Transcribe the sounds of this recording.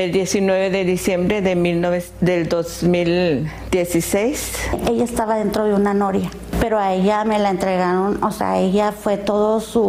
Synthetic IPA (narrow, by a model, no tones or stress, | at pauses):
eld̪je̞sinweβeðeðisjembɾeðemilnoβe | d̪eld̪ozmil | d̪je̞sisejseʝaest̪aβaðe̞nt̪ɾo̞ðeunanoɾja | pe̞ɾoaeʝame̞laent̪ɾe̞ɣaɾo̞nosḛa̰e̞ʝafwe̞t̪o̞ðosu